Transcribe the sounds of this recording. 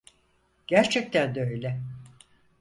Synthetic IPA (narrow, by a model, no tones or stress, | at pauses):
ɟ̥æɾt͡ʃʰɛc̚t̪ʰænd̪øjlʲɛ